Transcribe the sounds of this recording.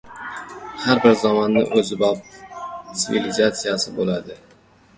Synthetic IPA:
haɾbɪɾzɒmɒnːɪ̰ʔɵzɪbɒp̚t̪sɪvilizat̪sijasɪbolad̪ɪ

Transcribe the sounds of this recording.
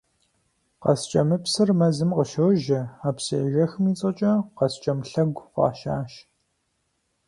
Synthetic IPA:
qɐst͡ʃʼɐmɨpsɨrmɐzɨmqəʃɐwʒɐaːpseːʒɐxmiːt͡sʼɐt͡ʃʼɐqɐst͡ʃʼɐmɬɐɡʷqɑ̰ːʃaːʃ

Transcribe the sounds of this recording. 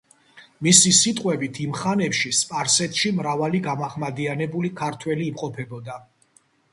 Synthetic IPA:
misisit̪ʼqʼwɛbit̪ʰimχanɛpʃispʼaɾsɛt̪ʃimɾavaliɡamaχmad̪ianɛbulikʰaɾt̪ʰwɛliːmqʼɔpʰɛbɔd̪a

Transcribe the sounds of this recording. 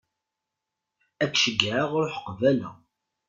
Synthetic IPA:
ækːʃəɡːʕəʁɾoħə̥qvælæ̰

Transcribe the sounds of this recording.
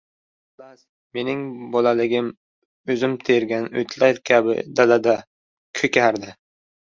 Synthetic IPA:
laz | me̞nɪŋbɒlalɪɡʲɪm | ɵzɪmt̪ʰeɾɡʲanɵ̰jt̪ʰlajɾkʲʰabɪ̰d̪alad̪a | kʲʰɵkʲʰaɾd̪ɪ

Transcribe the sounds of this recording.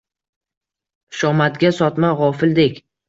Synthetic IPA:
ʃɒmat̪ɡʲasɒt̪maʁɒfɪld̪ekʲ

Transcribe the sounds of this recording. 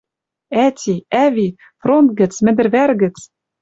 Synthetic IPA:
æt̪ʲiæβi | front̪̚ɡɘ̆t͡smɘ̆d̪ɘ̆rβæɾɣɘ̆t͡s

